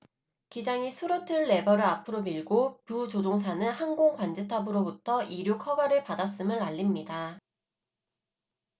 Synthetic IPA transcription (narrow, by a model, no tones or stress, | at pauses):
kid͡ʑaŋisʰuɾotʰɯɭːe̞bʌɾɯɭapʰɯɾomiɭɡopjut͡ɕod͡ʑoŋsʰanɯnhanɡoŋkwand͡ʑetʰabɯɾobutʰʌʔiɾjukʰʌɡaɾɯɭpadas͈ɯmɯɭaʎːimɲida